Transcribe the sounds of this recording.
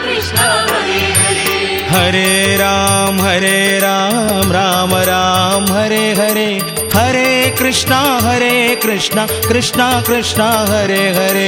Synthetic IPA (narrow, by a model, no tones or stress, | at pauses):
ɦɐɾeɾaːmɦɐɾeːɾaːmɾaːmɐɾaːmɦɐɾeɦɐɾeː | hɐɾekɾɪʂɳɐɦɐɾeːkɾɪʂnɐ | kɾɪʂnɐkɾɪʂɳɐɦɐɾeɦɐɾe